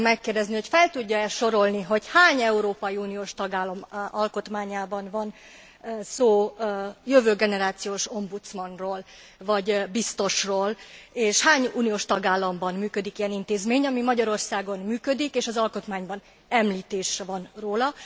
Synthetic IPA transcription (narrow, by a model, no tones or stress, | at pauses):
mɛkːeːrd̪ɛzniho̞cfɛlt̪uɟːɒɛʃo̞ɾo̞lniɦo̞chaːɲɛuɾoːpɒjiuːnijoːʃt̪ɒɡaːlɒmɒlko̞t̪maːɲaːbɒnvɒn | soːjøvøːɡɛnɛɾaːt̪sijoːʃo̞mbut̪smɒnroːl | vɒɟbist̪o̞ʃroːleːʃhaːɲuːnijoːʃt̪ɒɡaːlːɒmbɒnmyːkød̪ikijɛnint̪eːzmeːɲɒmimɒɟɒɾo̞rsaːɡo̞nmyːkød̪ikeːʃɒzɒlko̞t̪maːɲbɒn | ɛmliːt̪eːʃɛvɒnroːlɒ